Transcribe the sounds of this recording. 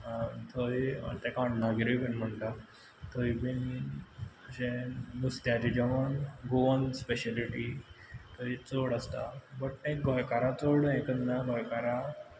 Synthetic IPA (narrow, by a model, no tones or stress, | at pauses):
t̪ʰoḭt̪ɛkaɳnaɡɾibinm̤əɳt̪a | t̪ʰoibini | əɕenust̪jaɾid͡ʑəʋənɡoʋənspeɕaliʈit̪ʰoit͡soɽast̪a̰bəʈek̚ɡʱɔjkaɾat͡soɽẽkəd̪naɡʱɔjkaɾa